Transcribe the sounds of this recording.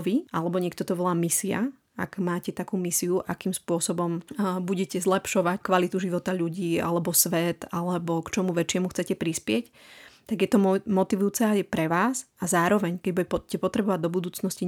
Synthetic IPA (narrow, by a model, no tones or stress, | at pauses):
ʋiʔalɛbɔɲɪɛk̚t̪ɔt̪ɔʋɔlaːmisia̰ | a̰ɡmaːcɛt̪akuːmisiuʔakiːmspʊɔsɔbɔmbuɟɛcɛzlɛpʃɔʋackʋalit̪uʒiʋɔt̪aʎuɟiːa̰lɛbɔsʋɛt̪alɛbɔkt͡ʃɔmuʋɛt͡ʃɪɛmuxt͡sɛcɛpɾispɪɛc | t̪aɡjɛt̪ɔmɔt̪iʋujuːt͡sɛajɛpɾɛʋaːsazaːɾɔʋɛɲkɛɟbucɛpɔt̪ɾɛbɔʋaɟd̪ɔbud̪uːt͡snɔsci